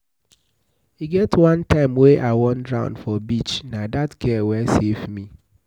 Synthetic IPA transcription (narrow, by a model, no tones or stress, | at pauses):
hiɡɛtwãntãɪ̃mweʔaɪwɔ̃ndɹãʊ̃nfɔbit͡ʃnãdatkʰɛwɛsevmĩ